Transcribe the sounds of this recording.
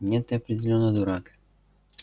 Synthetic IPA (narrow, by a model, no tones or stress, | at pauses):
nʲɛt̪ɛɐpɾʲɪdʲɪlʲonːɔd̪uɾak